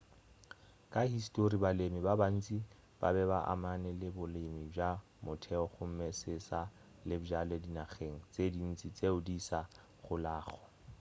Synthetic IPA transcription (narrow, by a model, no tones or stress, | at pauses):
kʼahistʼoribalemɪbaban̩t͡sʼi | b̥a̰bɛbaʔa̰manɛlɪbʊlemiba | mʊtʰɛɔχʊm̩mɛsɪsa | lɪbd͡ʒaledinaχeŋ̩t͡sedin̩t͡sʼit͡sʼeʊdisa | χʊlaːχɔ̥